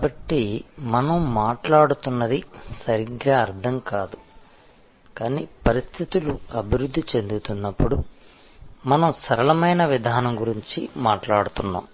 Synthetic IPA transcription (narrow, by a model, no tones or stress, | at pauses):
kabɐʈːimɐnɐmːaːʈlaːɽut̪unːɐd̪isɐɾiɡɾaːɐɾd̪ʰʱɐmkaːd̪u | kaːnḭːpɐɾist̪ʰit̪uluɐbʱiɾud̪ʱːit͡ʃe̞nd̪ut̪unːɐpːuɽu | mɐnɐmsɐɾɐlɐmɐjnɐʋid̪ʱaːnɐmɡuɾiɲt͡ʃimaːʈlaːɽut̪unːa̰ːm